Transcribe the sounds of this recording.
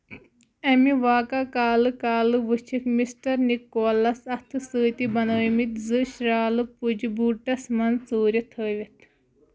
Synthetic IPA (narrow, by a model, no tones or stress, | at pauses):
ɐmiʋaːkakaːlɨkaːlɨʋɨt͡ʃʰikmisʈɐɾnikːoːlɐsɐt̪ʰɨsəːt̪ibɐnoːjmit̪zɨʃɾaːlɨpud͡ʒbuːʈɐsmɐnt͡suːɾɐt̪ʰəːʋʲit̪ʰ